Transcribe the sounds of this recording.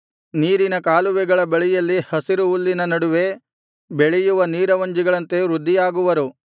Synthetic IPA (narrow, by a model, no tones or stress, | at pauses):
niːɾinɐkaːluʋɛɡɐɭɐbeɭɛjɐlːihɐsiɾuːlːinɐnɐɽuʋe̞ | beɭɛjuʋɐniːɾɐʋɐɲd͡ʒiɡɐɭɐnt̪e̞ɾud̪ʱːijaːɡuʋɐɾu